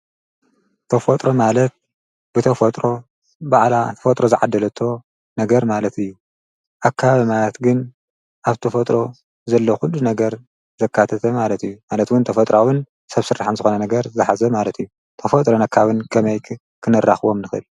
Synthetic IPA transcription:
t̪ʰɐfot̪ʼɾo̞malɐt̪̚ | b̥ɨt̪ʰɐfot̪ʼɾo̞ | baʕlat̪ʰɐfɐt̪ʼɾo̞zɨʕa̰d̪ːɐlɐt̪ʰːo̞ | nɐɡɐɾmalɐt̪ɨjːu | ʔakʰːaβaβimalɐt̪ɡɨn | ʔaβt̪ʰɐfɐt̪ʼɾo̞ | zɐlːoxulːunɐɡɐɾ | zɐkʰːat̪ʰɐt̪ʰɐmalɐt̪ɨjːumalɐt̪wʊnt̪ʰɐfɐt̪ʼɾawɨn | sɐβsɨrːaħanzɨxo̞nɐnɐɡɐɾzɨħazɐmalɐt̪ijːu | t̪ʰɐfot̪ʼɾo̞nɐkʰːaβɨnkʰɐmɐjʰ | kʰɨnɨrːa̰xβo̞mnɨxɨ̰l

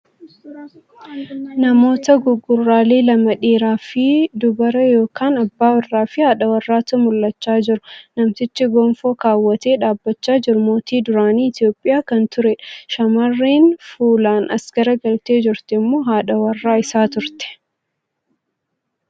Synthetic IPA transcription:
nɐmo̞ːt̪ɐɡʊɡːʊrːaːleːlɐmɐᶑiːɾaːfɪd̪ʊbɐɾɐjo̞ːkʰaːnɐbːaːwɐrːaːfɪhaːᶑɐwɐrːaːt̪ɐmʊlːɐt͡ʃːaːd͡ʒɪɾʊnɐmt̪ɪt͡ʃːɪɡɔnfoːkaːwːɐt̪eːᶑaːbːɐt͡ʃːaːd͡ʒɪɾʊmo̞ːt̪iːd̪ʊɾaːniːɪt̪joːpʼːɪjaːkɐnt̪ʊɾɛᶑɐʃɐmɐrːiːnfuːlaːnɐsɡ̥ɐɾɐɡɐlt̪e̞ːd͡ʒɪɾt̪ɛmːo̞ːɦaːᶑɐwɐrːaːɪsaːt̪ʊɾt̪ɛ̥

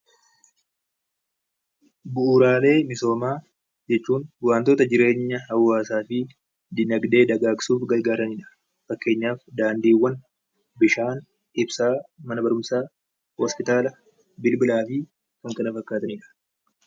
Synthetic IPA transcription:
bʊʔuːɾaːle̞ːmɪso̞ːmaː | d͡ʒɛt͡ʃːuːnwaːnt̪o̞ːt̪ɐd͡ʒɪɾe̞ːɲːɐhɐwːaːsaːfɪ | d̪ɪnɐɡd̪e̞ːd̪ɐɡaːkɪ̥suːfɡɐɾɡaːɾɐniːᶑɐ̥ | fɐkːe̞ːɲːaːfd̪aːnd̪iːwːɐn | bɪʃaːn | ɪbsaːmɐnɐbɐɾʊmsaː | hɔspɪt̪aːlɐ | bɪlbɪlaːfɪ | kɐŋkɐnɐfɐkːaːt̪ɐniːᶑɐ̥

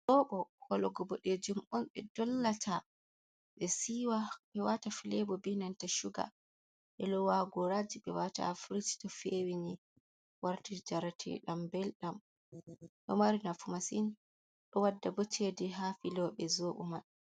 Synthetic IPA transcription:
ɗɔɓɔkʰɔlɔɡɔbɔɗed͡ʒumɔnɓɛdɔlːatʰa | ɓɛsiwaɓɛwatafilɛbɔbinantaʃuɡa̰ | ɓɛlɔwaɡɔɾad͡ʒiɓɛwata̰fɾiti̥tɔfewini | waɾtid͡ʒaɾatʰḭɗambɛlɗam | ɗɔmaɾinafumasin | ɗɔwadːabɔt͡ʃʰediɦafilɔɓɛzoɓṵma

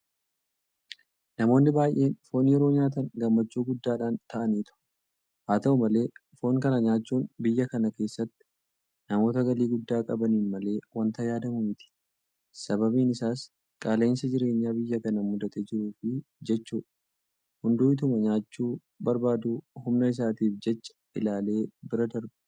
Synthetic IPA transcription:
nɐmo̞ːnːɪbaːjʔe̞ːnfo̞ːnjɛɾo̞ːɲaːt̪ɐŋɡɐmːɐt͡ʃːuːɡʊd̪ːaːᶑaːnt̪ɐʔɐniːt̪ʊ̥ | haːt̪ɐʊmɐle̞ːfo̞ːŋkɐnɐɲaːt͡ʃːuːnbɪjːɐkɐnɐke̞ːsːɐt̪ːɪ̥ | nɐmo̞ːt̪ɐɡɐliːɡʊd̪ːaːkʼɐbɐniːnmɐle̞ːwɐnt̪ɐjaːd̪ɐmʊmɪt̪ʰɪ̥ | sɐbɐbiːnɪsaːs | kʼaːlɐɪnsɐd͡ʒɪɾe̞ːɲːaːbɪjːɐkɐnɐmʊd̪ɐt̪ed͡ʒɪɾuːfɪd͡ʒɛt͡ʃːuːᶑɐ | hʊnd̪uːɪt̪̬ʊmɐɲaːt͡ʃːuː | bɐɾbaːd̪uːhʊmnɐɪs̬aːt̪iːfd͡ʒɛt͡ʃːɐ̥ | ɪlaːle̞ːbɪɾɐd̪ɐɾbɛ

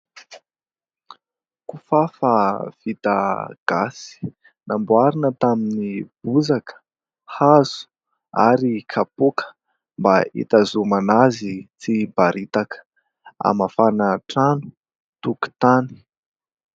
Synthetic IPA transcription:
kufafav̥it̪a̰ɡ̥asi̥ | nambuaɾinət̪aminib̥uzakə̥ | haz̥u̥ | a̰ɾikʰapukə̥ | mbaḭt̪azumanazit͡sibaɾʔit̪akə̥ | a̰mafanaʈ͡ʂanu̥ | t̪uku̥t̪ani̥

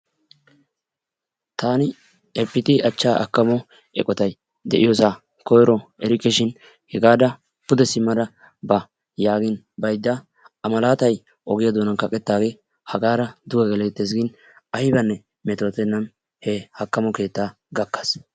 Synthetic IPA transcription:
t̪ʰaːnɪ | ɛpːɪt̪ɪʔɐt͡ʃːaːʔɐ̰kːɐmɔ | ɛ̰kʼɔt̪ɐj | d̪ɛʔɪjɔsaː | kɔjɾɔɛɾɪkːɪʃɪn | hɛɡaːd̪ɐ | pʊd̪ɛsɪmːɐd̪ɐ | bɐ | jaːɡɪn | bɐjd̪ːɐ | ɐmɐlaːt̪ɐj | ɔɡɪjɐd̪oːnɐnkɐkʼɛt̪ːaːɡe̞ː | hɐɡaːɾɐd̪ʊɡɐɡɛlɛt̪ːɛs̬ɡɪn | ɐhɪbɐnːɛ | mɛt̪oːt̪ɛnːɐm | hɛhɐkːɐmɔke̞ːt̪ːaː | ɡɐkːɐ̥s

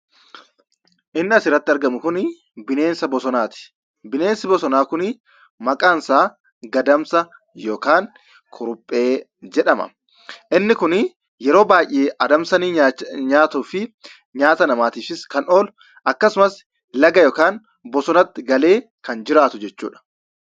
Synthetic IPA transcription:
ʔɪnːɪɐsɪɾːɐt̪ːɪɐɾɡɐmʊkʊn | bɪne̞ːnsɐbɔsɔnaːt̪ɪ̥ | bɪne̞ːnsɪbɔsɔnaːkʊnɪ | mɐkʼaːnsaː | ɡɐd̪ɐmsɐ | jo̞ːkaːŋ | kʰʊɾʊpʼːe̞ː | d͡ʒɛᶑɐmɐ̰ | ʔɪnːɪkʊn | jɛɾo̞ːbaːjʔeːʔɐd̪ɐmsɐnɪɲaːt̪ʊfɪ | ɲaːt̪ɐnɐmaːt̪iːfɪskɐno̞ːl | ʔɐkːɐsʊmɐs | lɐɡɐjoːkaːn | bɔsɔnɐt̪ːɪɡɐle̞ː | kɐnd͡ʒɪɾaːt̪ʊd͡ʒɛt͡ʃːṵːᶑɐ̥

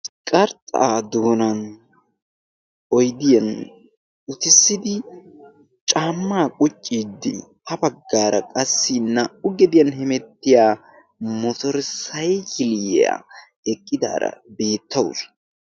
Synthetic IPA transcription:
kʼɐɾt̪ʼːa̰d̪oːnɐn | ɔjd̪ɪjɐn | ʊt̪ɪsːɪd̪ɪ | t͡ʃʼaːmːaːkʼʊt͡ʃʼːiːd̪ːɪ̰ | hɐbɐɡːaːɾɐkʼɐsːɪnːɐʊɡɛd̪ɪjɐnhɛmɛt̪ːɪjaː | mɔt̪ɔɾsɐjkɪlɪja̰ | ɛkʼːɪd̪a̰ːɾɐ̰be̞ːt̪ʰːɐws

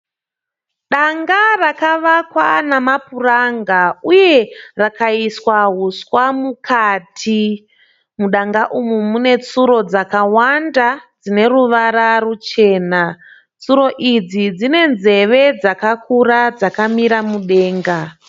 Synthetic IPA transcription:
ɗaŋɡarakaʋakwanamapuraŋɡauje̞rakaiswaɦuswamukʰatʰi | muɗaŋɡaʔumumune̞t͡suɾo̞d͡zakawandad͡zine̞ɾuʋaɾarut͡ʃe̞ːna | t͡suɾo̞ʔid͡zid͡zine̞nze̞ʋe̞d͡zakakʰurad͡zakamiɾamuɗe̞ːŋɡa

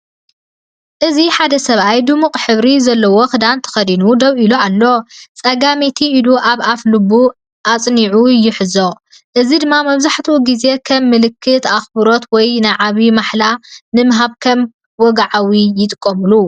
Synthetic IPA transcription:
ʔɨziħad̪ɐsɐβajd̪ɨmuqʼħɨβɾizɐlːɐwoxɨd̪ant̪ʰɐ̥xɐd̪inud̪ɐβʔiloalːo̞t͡sʼɐɡamet̪ʰiʔːluʔaβaflɨbːu | ʔat͡sʼniʕujːɪħɨzo̞ | ʔɨzid̪ɨmːamɐβzaħt̪ʰuɡize̞kʰɐmːɨlɨkʰːɨt̪axbɨɾo̞t̪wɔjnaʕaβimaħlanɨmɐɦaβkʰɐm | wɔɡaʕawijɪt̪ʼɨkʼːɐmɨlu

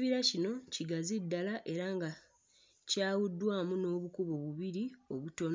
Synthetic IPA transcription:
βiɾacino̞ciɡazidːalaʔe̞ɾaːŋɡa | caːwudːwaːmuno̞ːβukuβo̞βuβiɾio̞βuto̞n

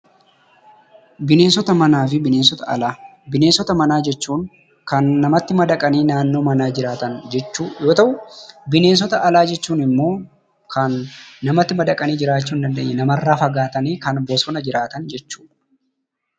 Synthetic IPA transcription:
bɪne̞ːnsɔt̪ɐmɐnaːfɪbɪneːnsɔt̪ɐʔɐ̰laːbɪne̞ːnsɔt̪ɐmɐnaːd͡ʒɛt͡ʃːuːŋ | kɐnːɐmɐt̪ːɪmɐd̪ɐkʼɐniːnaːnːo̞ːmɐnaːd͡ʒɪɾaːt̪ɐnd͡ʒɛt͡ʃːuːjo̞ːt̪ɐʔʊbɪne̞ːns̬ɔt̪ɐʔɐlaːd͡ʒɛt͡ʃːuːnɪmːo̞ː | kʰɐnːɐmɐt̪ːɪmɐd̪ɐkʼɐniːd͡ʒɪɾaːt͡ʃːuːnd̪ɐnd̪eːɲːɛnɐmɐrːaːfɐɡaːt̪ɐniːkɐnbɔsɔnɐd͡ʒɪɾaːt̪ɐnd͡ʒɛt͡ʃːu̥ːᶑ

